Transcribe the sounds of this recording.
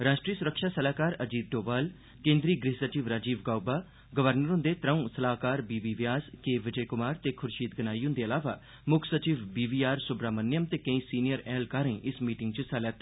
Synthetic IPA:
ɾaːʃʈɾiːsʊɾəkʃaːsəlaːkaːɾəd͡ʒiːd̪̚ɖoːbaːl | kẽːnd̪ɾiːɡɾɪɦsət͡ʃiːʋɾaːd͡ʒiːʋɡaːubaː | ɡəʋəɾnəɾʊ̃nd̪eːt̪ɾə̃ũːsəlaːkaːɾbiːbiːʋjaːskeːʋɪd͡ʒəjkʊmaːɾt̪eːkʰʊɾʃiːt̪ɡənaːiːʊ̃nd̪eːəlaːʋaː | mʊkʰsət͡ʃiːʋbiːʋiːaːɾsʊbɾaːmənːjəmt̪eːkə̃ĩːsiːnijəɾɛːlkaːɾẽʔɪsmiːʈɪŋɡt͡ʃəsalɛːt̪ː

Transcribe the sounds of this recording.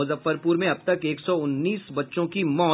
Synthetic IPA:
ʊzəfːəɾpuːɾmẽɐb̚t̪ɐkeːksɔʊnːiːsbɐtːʃõkimɔː

